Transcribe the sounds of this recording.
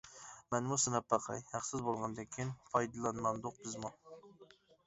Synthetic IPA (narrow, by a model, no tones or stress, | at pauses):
mɛnmusɨnɑpːɑqʰɑ̰jhæχsɪzbolˠʁɑnd̪ɪkʲʰinpʰɑjd̪ɨlˠɑnmɑnd̪ʊq̚bɪzmu